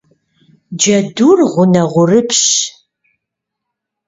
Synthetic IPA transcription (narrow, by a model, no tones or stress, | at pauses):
d͡ʒɐdurʁʷʊnɐʁʷʊrɨpʰɕ